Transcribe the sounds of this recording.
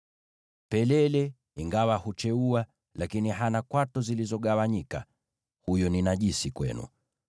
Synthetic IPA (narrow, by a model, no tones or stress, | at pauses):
pɛlɛlɛ | iŋɡawahut͡ʃɛua | lakiniɦanakwatɔzilizɔɠawaɲika̰ | hujɔninaʄisikwɛ̰nṵ